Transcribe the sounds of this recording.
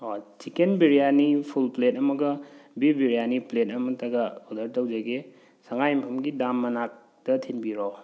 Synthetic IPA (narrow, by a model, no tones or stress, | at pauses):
ot͡ʃikenbiɾijanipʰulpletɐmɐɡɐbibiɾijaniplet̚ɐmɐtʰɐɡɐodɐɾtɐwd͡ʒɐɡe | saŋajmpʰɐmɡidamːɐnak̚ | dɐtʰinbiɾo